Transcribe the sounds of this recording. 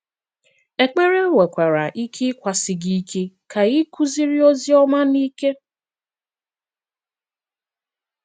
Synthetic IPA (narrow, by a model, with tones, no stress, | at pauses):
e˨k͡pe˦ɾe˦we˨kʷa˨ɾa˨ʔi˦kʰi˦kʷa˨sɪ˨ɡi˦kʰe˦kʰa˨ɣi˦ku˦zi˦ɾɪ˦o˦zi˦ɔ˦ma˦ni˦ke˦